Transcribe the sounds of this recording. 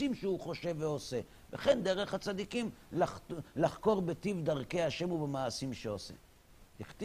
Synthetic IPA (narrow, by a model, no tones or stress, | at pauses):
imʃeuχo̞ʃe̞vːeo̞se̞ | veχe̞nd̪eʁeχhat͡sad̪ikimlalaχko̞ʁbe̞t̪ivd̪aʁke̞aʃe̞mubemaːsimʃeosḛ | tiχt̪